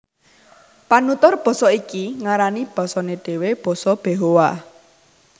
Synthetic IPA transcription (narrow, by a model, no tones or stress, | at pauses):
panut̪ɔrb̥ɔ̤sɔikiŋaɾanib̥ɔ̤sɔneɖ̥e̤web̥ɔ̤sɔb̥eɦowa